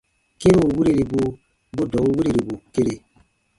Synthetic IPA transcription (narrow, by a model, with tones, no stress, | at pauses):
ke˦ɾe˦u˨wi˦ɾe˦˨ɾi˨bu˨ | bu˦dɔ˨˦u˦wi˦ɾe˦˨ɾi˨bu˨ke˦ɾe˨